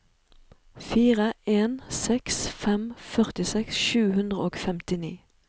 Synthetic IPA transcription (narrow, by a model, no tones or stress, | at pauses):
fiːʁəeːnsɛksfɛmfœʁt̪ɪsɛksʃʉːhʉnd̪ʁəoːɡfɛmt̪ɪnḭː